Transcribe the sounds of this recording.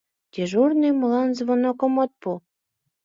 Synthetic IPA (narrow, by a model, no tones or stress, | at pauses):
t̪ʲeʒurnejmlɑnzβonokomot̪̚pu